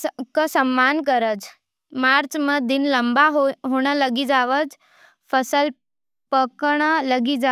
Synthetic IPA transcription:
kəsəmːankəɾət͡s | maɾt͡sməd̪inləmbaɦɦoɽ̃ələɡid͡zaʋəd͡z | fəsəl | pəkɳ̃ələɡid͡za

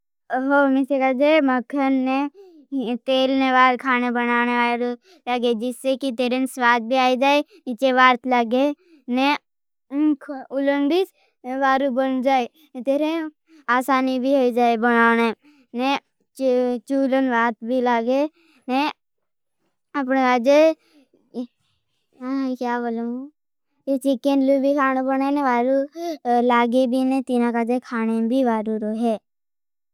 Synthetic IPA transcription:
ɦomisekad͡ʒeməkʰənne | t̪eːlneʋaːlkʰaːnebɐnaːneaːɾ | ləɡed͡ʒɪsːekit̪eːɾenswaːd̪̚bʱiaːid͡ʒaːe | niːt͡ʃeʋaːɾt̪ləɡe | ne | kʰʊləɳɖis | ʋaːɾubənd͡ʒaːe | t̪eːɾe | aːsaːnibʱiɦoid͡ʒaːebɐnaːne | ne | t͡ʃuːlənʋaːt̪bʱilaːɡe | ne | əpnekaːd͡ʒe | kjaːbolo | et͡ʃɪkẽnlubʱikʰaːnebəneneʋaːɾulaːɡebʱinẽt̪inakad͡ʒekʰaːnebʱiʋaːɾuɾoɦeː

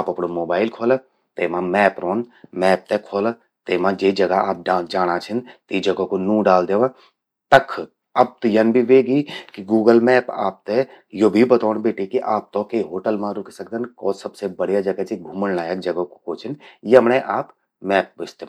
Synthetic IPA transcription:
aːpɐpɽomoːbaːɪlkʰoːl | t̪eːmãmɛːpɾoːnmɛːp̚t̪ekʰoːl | t̪eːmãd͡ʒeːd͡ʒɐɡaaːp̚d͡ʒaːɽ̃at͡ʃʰənt̪id͡ʒɐɡokonũːɖaːld̪eːʋã | t̪ɐkʰː | ɐb̚t̪ijənbʱiʋeːɡikiɡuːɡəlmɛːpa̰ːp̚t̪e | jobʱibɐt̪oːnbeːʈikiʔaːp̚t̪õkeɦoːʈəlmãɾʊkʰsɐk̚d̪ənkɔːsɐbsebɐɽ̤jad͡ʒɐɡat͡ʃibʱuːmənnaːjək̚d͡ʒɐɡokokoːt͡ʃʰinjeəmnẽʔaːp | mɛːp̚bɪst̪e

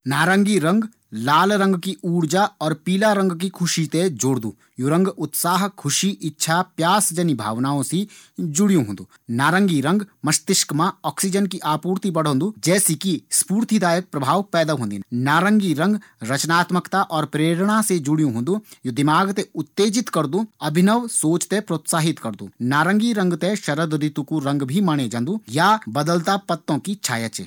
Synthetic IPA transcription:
naːɾə̃ŋɡiɾɐ̃ŋɡ | laːlɾɐ̃ŋɡkiʔuːɾd͡ʒaɔːɾpiːlaɾə̃ŋɡk̬ikʰʊʃit̪ed͡ʒoːɽd̪ṵː | juɾɐ̃ŋɡʊt̪saːɦkʰʊʃiʔɪtːʃʰapjaːsd͡ʒənibʱa̰ːʋnaːõsid͡ʒʊɽjũɦõːnd̪uːnaːɾə̃ŋɡiɾɐ̃ŋɡmɐst̪ɪʃkmãɔːksid͡ʒənk̬iʔaːpuːɾt̪ipɐɽ̤õːnd̪uːd͡ʒɛːsikispuːɾt̪ʰid̪aːjək̚pɾɐbʱaːʋpɛːd̪aɦõːnd̪innaːɾəŋɡiɾɐ̃ŋɡɾɐt͡ʃnaːt̪məkt̪aʔɔːɾpɾeːɾɽ̃ased͡ʒʊɽijũɦõːnd̪ujod̪ɪmaːɡt̪eʊt̪ːeːd͡ʒɪt̪kɐɾd̪ũɐbʱɪnəʋsoːt͡ʃt̪epɾoːt̪saːɦɪt̪kɐɾd̪ṵːnaːɾə̃ŋɡiɾɐ̃ŋɡt̪ẽʃɐɾəd̪ɾɪt̪ukuɾɐ̃ŋɡbʱimaːɽ̃ed͡ʒãːnd̪ujabɐd̪əlt̪apɐt̪ːõkit͡ʃʰaːjət͡ʃḛː

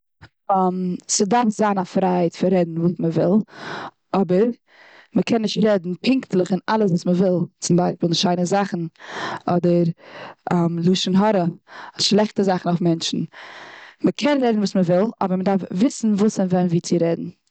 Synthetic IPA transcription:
msədaɾfzaːnafɾaaɪtfɪɾɛdn̩vuːsməvɪlˠ | ɔbəɾ | məkʰɛnːɪʃtɾɛdn̩pʰɪŋktlˠəχɪnalˠəs̬vuːsməvɪlˠt͡sɪmbaɪʃpiːlˠʃaɪnəzaχn̩ɔdəɾamlˠuːʃənɦɔɾəʃlˠɛχtəzaχn̩aʊfmɛnt͡ʃn̩ | məkʰɛnɾɛdn̩vuːsməvɪlˠɔ̰bəɾmədaɾfvɪsn̩vuːsɪnvɛnviːt͡sɪɾɛdn̩

